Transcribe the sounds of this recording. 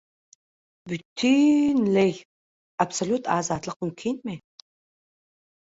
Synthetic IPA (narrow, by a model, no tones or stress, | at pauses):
bytʰinlej | absolʲutʰaːzaːtʼɐqʷʊnkʲʰinme